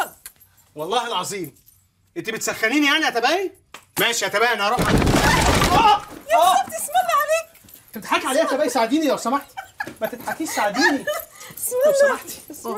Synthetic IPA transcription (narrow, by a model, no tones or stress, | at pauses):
wɑlˤːɑːhelʕɑzˤiːm | ʔent̪ibet̪sæxːæniːnijaʕniʔæt̪æbæʔi | mæːʃiʔæt̪æbæʔnæɾˤɑbʕan | ʔæːæːt̪esmælːiʕaleːk | t̪ebet̪ħakʕaleːʔæt̪æbæʔisaʕed̪iːnilæwsæmaħt̪mæt̪et̪ħakːiːʃsaʕed̪iːni | wsæmaħt̪